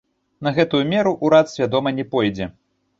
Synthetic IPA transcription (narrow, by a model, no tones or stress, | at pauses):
nɐɣɛt̪ujumʲɛɾuʔuɾat̪sʲvʲad̪ɔmɐnʲɛpɔjd͡zʲɛ